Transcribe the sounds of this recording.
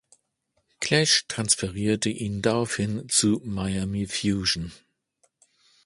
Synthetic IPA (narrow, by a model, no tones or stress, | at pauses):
kʰlɛʃtʁ̥ansfɛʁiːɐtəʔiːndaʁaʊfhɪnt͡sumajamifjuːʒn̩